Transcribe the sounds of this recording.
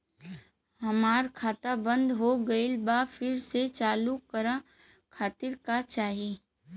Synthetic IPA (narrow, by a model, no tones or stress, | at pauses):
ɦɐmaːɾkʰaːt̪abə̃nd̪ɦoɡɐɪlbafʰɪɾset͡ʃaːlukəɾa | kʰaːt̪ɪɾkat͡ʃaːɦeː